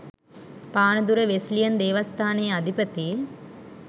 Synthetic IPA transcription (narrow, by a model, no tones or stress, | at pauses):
paːnɐd̪uɾɐʋeslijɐnd̪eːʋɐst̪ʰaːnejɐɐd̪ʱipɐt̪i